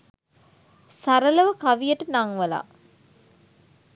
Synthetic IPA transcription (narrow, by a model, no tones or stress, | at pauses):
saɾələʋəkaʋijəʈənaŋʋəla̰